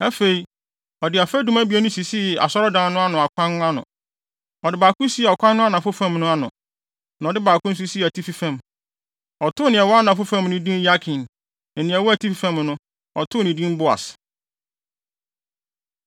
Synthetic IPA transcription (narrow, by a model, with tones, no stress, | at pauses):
ɛ˦fe˨i˨˦ | ɔ˨dɪ˨˦a˨fæ˦dũ˦mæ˦bi˨e˦nʊ̃˦si˨si˦˨a̰˨sɔ˦ɾɔ˦dãː˦nʊ̃˦a˦nʊ̃˨a˨kʷʰã˦nʊ̃˦a˦nʊ̰̃˨ | ɔ˨dɪ˦baː˨kʊ̃˦si˦ɛ˨ɔ˨kʷʰã˦nː˦ʊ̃˦a˦nã˨fʊ˦fã˦mnʊ̃˦a˦nʊ̰̃˨ | nã˨dɪ˦baː˨kʊ̃˦n̩˦s̬u˦si˦˨æ˨tʰi˦fi˦fã˨m | ɔ˨tʰʊ˦nɪ̃˨ɛ˨wɔ˦a˦nã˨fʊ˦fã˦˨m˨nʊ̃˦dĩ˦n˦ja˦kʰɪ̃˨n | ɛ˨nɪ̃˨ɛ˨wɔ˦æ˨tʰi˦fi˦fã˦mnʊ̃˦ | ɔ̰˨tʰʊ˦˨nĩ˨dĩ˦m˦bʊ˦a̰˨s